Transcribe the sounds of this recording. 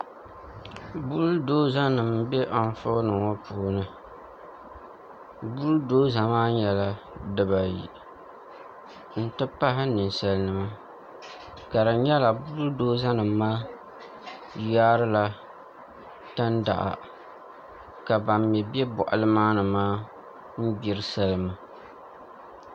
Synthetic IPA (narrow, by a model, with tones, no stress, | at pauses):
bu˦ldoː˦za˦nɨ˨mbɛ˦ʔa˨ɱ˦fʊ̰˦nɨ˨ŋɔ˦puː˨˦nɨ˨ | bu˦ldoː˦za˨maː˦ɲɛ˨la˦ | dɨ˨ba˨jḭ˨ | n̩˦tɨ˦pa˦ɦɪ˦nɨ˨n˨sa˦lnɨ˨ma˦ | ka˨ɾɨ˨ɲɛ˦la˨bu˦ɾdoː˦za˦nɨː˨˦aː˦ | jaː˦ɾɨ˦la˦ | ta˦nda̰˨ʔa̰˨ | ka˨ba˨mːɛ˨bɛ˦bʊ̰˨ʔa̰˨lɨ˦maː˦nɨ˨maː˦ | m̩˦bi˦ɾɨ˦sa˦lɨ˨ma˨